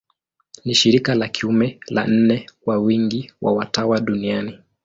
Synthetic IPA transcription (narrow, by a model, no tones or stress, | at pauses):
niʃiɾikalakʰiumɛla̰n̩nɛwawiŋɡiwa̰watawaɗuniani